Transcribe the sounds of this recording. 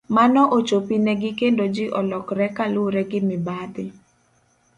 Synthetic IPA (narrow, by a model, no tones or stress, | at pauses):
manɔʔot͡ʃopinɛɡɪkendod͡ʒɪʔɔlɔkɾɛkalʊɾɛɡɪmɪbad̪ɪ